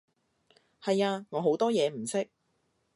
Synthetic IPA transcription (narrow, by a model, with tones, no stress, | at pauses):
hɐ˨jaː˧ŋɔː˨˧ɦo˨˥wt̪ɔː˥jɛː˨˧m̩˨˩sɪ˥k̚